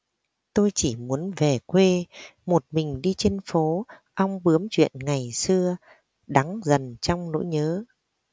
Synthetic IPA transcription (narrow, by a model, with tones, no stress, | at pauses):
t̪o˧jt͡ɕi˧˩mu˨˦ənve˨˩kwe˧mo˨˩t̚mï˨˩ŋ̟ɗi˧t͡ɕe˧nfo˨˦ʔa˧wŋ͡mɓɨ˨˦əmt͡ɕwḭ˧˨ənŋa˨˩jsɨ˧ə | ɗa˨˦ŋzə˨˩nt͡ɕɔ˧wŋ͡mno̰˧˥jɲəː˨˦